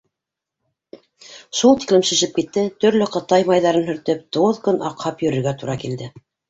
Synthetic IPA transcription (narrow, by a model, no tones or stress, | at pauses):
ʃulˠt̪i̥klɘmʃɘ̆ʃɘp̚kit̪ːɘt̪ɵ̆ɾlɵqɤ̆t̪ɑjmɑjðɑɾɤnhɵ̆ɾt̪ɵp̚t̪oðkɵnɑ̰qhɑpjɵ̆ɾɘ̆ɾɡæt̪uɾɑkild̪ɘ